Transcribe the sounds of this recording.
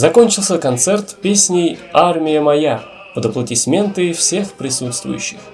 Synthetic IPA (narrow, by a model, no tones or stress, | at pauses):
zɐko̞nʲt͡ɕɪlˠsʲəkɐnt̪sɛrt̪pʲesʲnʲɪjarmʲɪjəmɐja | pəd̪əplˠətʲɪsʲmʲe̞nt̪ɨfsʲe̞xpɾʲɪsut̪st̪vʊ̰jʉ̰ɕːɪx